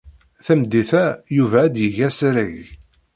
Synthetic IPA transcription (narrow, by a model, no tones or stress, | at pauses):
θæmd̪ːiθæjuvæːd̪jəʝæsɾiʝ